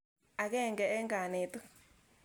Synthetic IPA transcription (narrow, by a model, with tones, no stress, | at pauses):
a˨kɛ˦˨ŋɡɛ˨ɛ˦ŋɡa˨ne˨tu˦